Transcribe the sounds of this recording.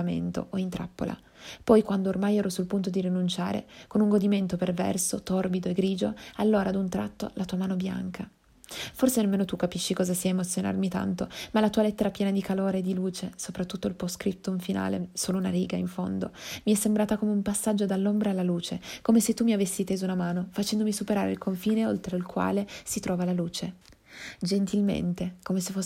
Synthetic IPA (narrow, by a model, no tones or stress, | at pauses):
amḛnt̪o̰ʔoint̪ɾa̰pːo̰lʔa̰ | pɔjkwand̪oːrmajɛːɾosulpunt̪od̪iɾinunt͡ʃa̰ːɾḛkonuŋɡod̪iment̪opervɛ̰rsot̪orbid̪oeɡɾiːd͡ʒoalːoːɾaːd̪unt̪ɾat̪ːo̰lat̪uːamaːnobja̰ŋkʰa | forsenemeːnot̪ukːapiʃːikɔːzasiaemot̪sjona̰rmit̪a̰nt̪omalat̪uːalet̪ːeɾapjɛːnad̪ikaloːɾeːd̪ːiluːt͡ʃesopɾat̪ːut̪ːoilposkɾit̪ːouɱfina̰ːlḛsoːlounaɾiːɡaiɱfo̰nd̪o̰miɛsːembɾaːt̪akomeumpasːad͡ʒːod̪alːombɾaːlːaluːt͡ʃekomeset̪ːumːiavesːit̪eːzounamaːnofat͡ʃɛnd̪omisupeɾaːɾḛlkʰoɱfiːneolt̪ɾeilkwa̰ːlesit̪ɾɔːvalaluːt͡ʃe | d͡ʒent̪ilmḛnt̪ekomesefo